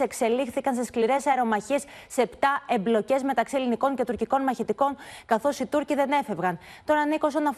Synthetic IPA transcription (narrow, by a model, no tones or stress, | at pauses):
e̞kse̞lixθikɐnseskliɾe̞sɐeɾo̞mɐçisːept̪ɐe̞mblo̞ce̞zme̞t̪ɐksiliniko̞ŋce̞t̪uɾciko̞nmɐçit̪iko̞ŋkɐθo̞sit̪uɾciðe̞ne̞fe̞vɣɐn | t̪o̞nɐnikos̬onɐf